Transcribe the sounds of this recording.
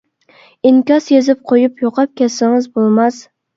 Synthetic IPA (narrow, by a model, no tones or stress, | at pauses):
ɪŋkʲɒsjezɪp̚qʰojɪpjoqʰɑp̚kʲʰasɪŋɪzbolˠmas